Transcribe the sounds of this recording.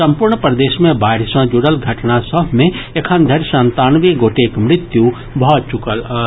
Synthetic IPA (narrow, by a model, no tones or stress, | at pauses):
sɐ̃mpuɾɳpɾəd̪eːʃmẽbaːɪɾɪsmãd͡ʒuɽəlɡʱəʈnasəbʱmẽekʰənd̪ʱəɾsənt̪aːnʋeɡoːʈekmɾɪt̪ju | bəɦt̪̚t͡ʃukəl